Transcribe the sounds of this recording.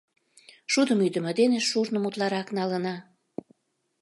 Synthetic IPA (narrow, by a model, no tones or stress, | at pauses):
ʃud̪əmyd̪ə̆mĕd̪eneʃːurnə̆mut̪lɑɾɑknɑlənɑ